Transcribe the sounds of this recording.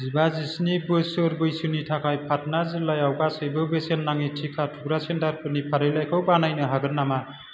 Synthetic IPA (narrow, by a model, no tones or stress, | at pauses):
zibazisnibɯsɯɾbɯjsunitʰakʰajpʰat̚nazɯlajawɡasɯjbɯbesenːaŋitʰikʰatʰuɡɾasendaɾpʰɯnipʰaɾɯjlajkʰɯwbanajnɯɦaɡɯɾnːama